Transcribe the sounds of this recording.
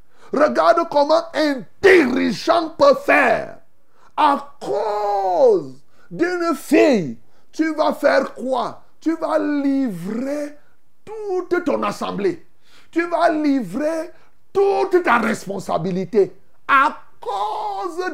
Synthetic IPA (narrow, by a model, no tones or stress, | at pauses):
rəɡaʁd̪kɔmɑ̃ɛ̃d̥iʁiʒɑ̃pəfɛʁ | akʰo | z | d̪ynfij | t̪yvafɛʁkwa | t̪yvalivʁe | tut̪t̪ɔ̃nasɑ̰̃ble | t̪yvalivʁe | t̪ut̪t̪aʁɛspɔ̃sa̰bilit̪e | akoz